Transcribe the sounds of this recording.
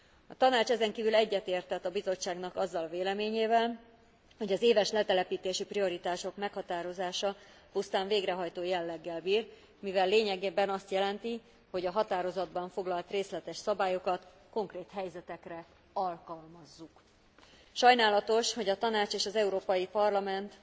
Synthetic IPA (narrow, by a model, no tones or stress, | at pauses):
ɒt̪ɒnaːt͡ʃɛzɛŋkiːvylɛɟːɛt̪eːrt̪ɛt̪ːɒbizo̞t͡ʃːaːɡnɒkɒzːɒlveːlɛmeːɲeːvɛl | ho̞ɟɒzeːvɛʃlɛt̪ɛlɛpiːt̪eːʃiprio̞ɾit̪aːʃo̞kmɛkhɒt̪aːɾo̞zaːʃɒ | pust̪aːɱveːɡɾɛɦɒjt̪oːjɛlːɛɡːɛlbiːr | mivɛlːeːɲɛɡeːbɛnɒst̪jɛlɛnt̪i | ho̞ɟɒɦɒt̪aːɾo̞zɒd̪bɒɱfo̞ɡlɒlt̪reːslɛt̪ɛʃsɒbaːjo̞kɒt̪ | ko̞ŋkreːt̪hɛjzɛt̪ɛkrɛ | ɒlkɒlmɒzːuk | ʃɒjnaːlɒt̪o̞ʃho̞ɟɒt̪ɒnaːt͡ʃeːʃɒzɛuɾoːpɒjipɒrlɒmɛnt̪